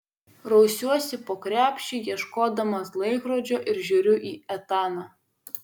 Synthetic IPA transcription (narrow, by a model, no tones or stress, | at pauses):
ɾɒʊsʲuɔsʲɪpoːkɾʲæːpʲʃʲt͡ʃʲɪjiɛʃkoːd̪ɐmɐslˠɐɪkɾoːd͡ʒʲoːʔɪɾʒʲuːɾʲʊʔiːɛt̪ɑːnɑː